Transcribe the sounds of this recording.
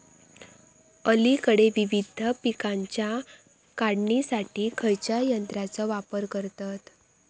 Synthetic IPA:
əlikəɽeʋiʋid̪ʱəpikãɲt͡ɕja | kaɽɳisaʈiːkʰəjt͡ɕajənt̪ɾat͡sɔʋapəɾkəɾt̪at̪

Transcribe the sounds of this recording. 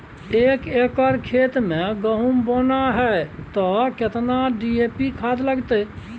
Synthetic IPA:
eːkekəɾkʰeːt̪mẽɡəɦumboːnaɦɛt̪ɔkɪt̪naɖiepikʰad̪ləɡt̪e

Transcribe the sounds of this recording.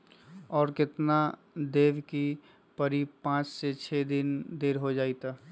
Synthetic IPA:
ɔːɾkɪt̪na | d̪eʋki | pəɾiːbpãːt͡ʃset͡ʃʰed̪ind̪eːɾɦod͡ʒaːit̪a

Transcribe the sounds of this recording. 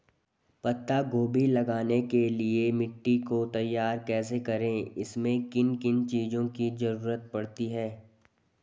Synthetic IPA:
pɐt̪ːaɡoːbilɐɡaːnekeliemɪʈːikot̪ɐjːaːɾkɛːsekɐɾẽɪsmẽkɪnkɪnt͡ʃiːzõkizɐɾuːɾət̪̚pɐɽt̪iɦɛː

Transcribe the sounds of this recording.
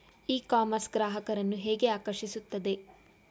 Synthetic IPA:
iːkaːmɐɾsɡɾaːɦɐkɐɾɐnːuɦeːɡe̞aːkɐɾʃisut̪ːɐd̪e̞

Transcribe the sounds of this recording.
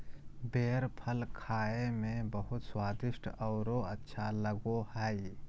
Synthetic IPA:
beːɾpʰəlkʰaːemẽbəɦʊt̪swaːd̪ɪʃʈʰɔːɾoɐtːʃʰaləɡohɛː

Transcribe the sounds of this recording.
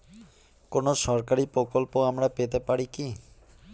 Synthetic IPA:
konoʃɔɾkaɾipɾokolpoamɾapet̪epaɾiki

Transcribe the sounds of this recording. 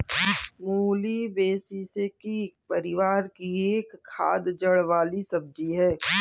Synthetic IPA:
muːlibeːsisekikpɐɾɪʋaːɾkieːkʰːa̰ːd̪d͡ʒɐɽʋaːlisɐb̚d͡ʒiɦɛː

